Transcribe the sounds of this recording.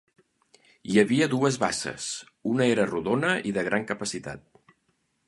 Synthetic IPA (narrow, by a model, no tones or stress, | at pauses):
iəβiəðuəzβa̰sə̰s | unəeɾəruðonəʔiðəɣ̞ɾaŋkəpəsit̪a̰t̪̚